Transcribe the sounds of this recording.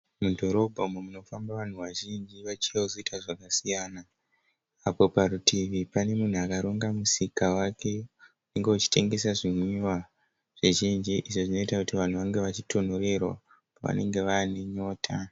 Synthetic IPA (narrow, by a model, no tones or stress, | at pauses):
mudʱo̞ɾo̞bʱaume̞muno̞fambaʋan̤uʋaʒind͡ʒiʋat͡ʃeozoitaʐakasijaːna | apo̞paɾutʰiʋipane̞mun̤uakaɾoŋɡamusikawake̞une̞ŋɡe̞ut͡ʃi̥te̞ŋɡe̞saʐimwa | ʐ̥iʒind͡ʒiʔiʐoʐino̞itakutiʋan̤uʋaŋɡe̞ʋat͡ʃitʰo̞n̤ore̞rwa | paʋa̰ne̞̰ŋɡe̞ʋaneɲo̞ːtʰa